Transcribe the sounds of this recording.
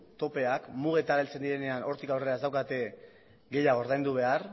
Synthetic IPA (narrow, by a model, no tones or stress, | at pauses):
t̪o̞pe̞akmuɣ̞e̞t̪aɾelt͡se̞nd̪iɾe̞ne̞ano̞ɾt̪ikawreɾazd̪awkat̪e̞ | ɡe̞jaɣoɾðajnd̪uβ̞e̞ar